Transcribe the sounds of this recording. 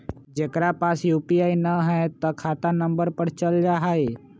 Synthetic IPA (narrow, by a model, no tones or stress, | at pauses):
d͡ʒekɾapaːsjupiaːinəɦɛt̪ɔkʰaːt̪anəmbəɾpəɾt͡ʃəld͡ʒaɦae